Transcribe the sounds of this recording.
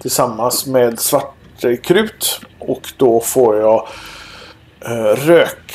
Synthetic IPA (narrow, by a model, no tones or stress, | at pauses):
t̪ʰɪlsamːansmeːd̪svaʈ | əkʰɾʉ̟ːt̪ɔkd̪ɔfoːɾjɑː | ɾøːk